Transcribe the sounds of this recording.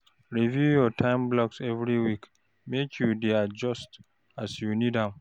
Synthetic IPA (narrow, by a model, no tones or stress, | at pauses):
ɹivjujɔtʰãɪ̃mblɔksɛvɹiwik | mekʰjudead͡ʒɔst | asjunidãm